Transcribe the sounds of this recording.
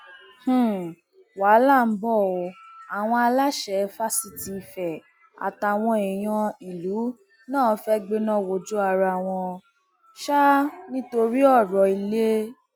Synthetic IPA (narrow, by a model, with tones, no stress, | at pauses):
h̩˨ | wa˨˦la˦˨m̩˦bɔ˦˨o˧a˨w̃ɔ̃˧a˧la˦ʃɛ˨˦fa˦si˦ti˧i˧fɛ˨ | a̰˨ta˨w̃ɔ̃˧e˨j̃ɔ̃˧i˨lu˨˦ | nãː˦˨˦fɛ˦ɡ͡be˧nã˦˨wo˨d͡ʒu˦a˧ɾa˧˨w̃ɔ̃˧ | ʃa˦nĩ˦to˧ɾi˦ɔ˦˨ɾɔ˨i˧le˦